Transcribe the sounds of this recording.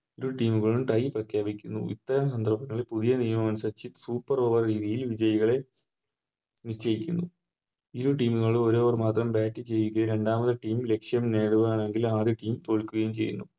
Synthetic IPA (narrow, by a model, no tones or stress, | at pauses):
iɾuʈiːmuɣɐɭumʈɐjprɐkʰjaːbikʲːunːṵḭt̪ːɐɾɐms̬ɐnd̪ʱɐrbɐnɐʋipuðijɐnijɐmɐmɐnsɐt͡ɕːit̪suːpːɐro̞ːʋɐrɾiːðijilʋid͡ʑɐjɐɣɐɭe̞ | nit͡ɕːɐjikʲːunːu | iɾuʈiːmuɣɐɭo̞ɾo̞ːʋɐrmaːt̪rɐmbaːʈːit͡ɕe̞jːukːɐɾe̞ɳɖaːmɐðɨʈiːmle̞kʂjɐmne̞ːɽuʋɐaːɳe̞ŋɡilaːðiʈiːmt̪o̞ːɭkːuɣɐjumt͡ɕe̞jːṵnːu